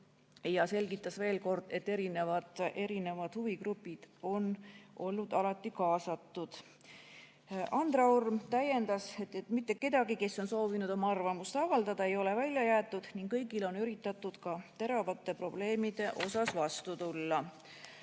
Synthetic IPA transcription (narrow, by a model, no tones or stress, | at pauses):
jɑse̞lɡit̪ːˑɑsve̞ːlko̞rd̪̥e̞t̪ːe̞ɾine̞vɑd̪e̞ɾine̞vɑd̪̥huviɡrupːˑid̪̥o̞nʔo̞lːud̪̥ɑlɑt̪ːˑikɑːsɑt̪ːˑud̪̥ | ʔɑnd̪rɑurmt̪æje̞nd̪ɑset̪ːet̪ːmit̪ːe̞kːe̞d̪̥ɑɡike̞sːo̞nso̞ːvinud̪̥o̞mɑɑrvɑmust̪ɑvɑld̪ɑd̪̥ɑe̞jo̞le̞vælʲjɑjæːt̪ːˑud̪̥niŋɡkkɤjɡileo̞nyɾit̪ːˑɑt̪ːˑud̪̥kɑt̪e̞ɾɑvɑt̪ˑːe̞pro̞b̥le̞ːmid̪̥e̞ʔo̞sɑsvɑst̪ut̪ulːɑ